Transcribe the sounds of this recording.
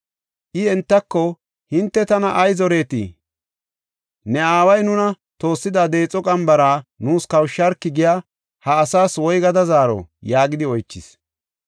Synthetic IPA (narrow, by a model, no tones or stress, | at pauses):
ʔɪɛnt̪ːɐkːɔ | hɪnt̪ːɛt̪ɐnɐʔɐjzɔɾe̞ːt̪ḭ | nɛaːwɐjnʊnɐ | t̪o̞ːsːɪd̪ad̪e̞ːt͡sʼɔkʼɐmbɐɾaːnuːskɐwʃːɐɾkːɪɡɪjaː | hɐːsaːswɔjɡɐd̪ɐzaːɾɔ̰jaːɡɪd̪ɪɔjt͡ʃːɪs